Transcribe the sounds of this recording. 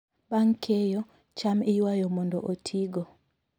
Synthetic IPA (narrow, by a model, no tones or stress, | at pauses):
baŋkʰejɔ | t͡ʃamiwajɔmɔndɔʔotʰiɡɔ